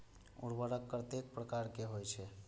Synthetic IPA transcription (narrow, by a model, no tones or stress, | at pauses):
ṵɽbəɾəkːɾt̪ek̚pɾəkaɾkeɦojt͡ʃʰɛ